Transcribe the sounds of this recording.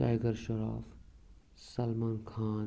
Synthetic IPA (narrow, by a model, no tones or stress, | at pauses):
a̰ːjɡəɾʃɐɾa̰ːf | sɐlmãːnkʰaːn